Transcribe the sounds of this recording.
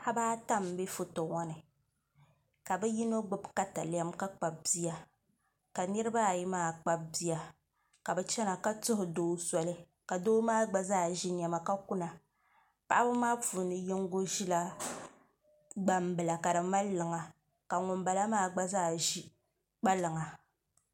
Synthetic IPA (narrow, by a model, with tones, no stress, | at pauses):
ʔa˦baː˦ta˦m˦be˦fʊ˦to˨ŋɔ˦nɨ˨ | ka˨bɛ˦ji˦no˦ɡ͡bʊ˦bka˦ta̰˨la˦mka˦k͡pa˨b̚bi˦ja˨ | ka˨nɨ˦ɾɨ˦ba˦˨ji˦maː˦˨k͡pa˦b̚bi˦ja˨ | ka˨bɛ˨t͡ʃɛ˦na˨ka˦tʊ˦ɦʊ˨doː˦sɔ˨lɨ˦ | ka˨doː˦maː˦ɡ͡ba˦zaː˦˨ʒi˦ɲ˨a˨ma˨ka˦ku˦na˨ | pa˦ʔa˦bɨ˦maː˦puː˨nɨ˨jɪ˦ŋ˦ɡo˦ʒi˦la˦ | ɡ͡ba˨mbɨ˨la˨ka˨dɨ˨ma˦lːɨ˨ŋa˨ | ka˨ŋʊ˨mba˨la˦maː˦˨ɡ͡ba˦zaː˦˨ʒi˦ | k͡pa˦lɨ˨ŋa˨